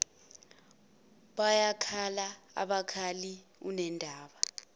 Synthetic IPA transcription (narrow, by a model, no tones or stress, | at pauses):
ɓajakʰalaa̰ɓakʰaliunɛndʱaːɓa